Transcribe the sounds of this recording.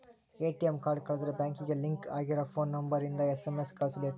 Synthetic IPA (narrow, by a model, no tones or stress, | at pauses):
eːʈiɛmkaːɾɖkɐɭɐðɪɾbaːŋkɪɣɐlɪŋka̰ːɣɪɾɐfoːnːɐmbɐɾɪnd̪ɐɛsɛmeskɐɭɐsɯle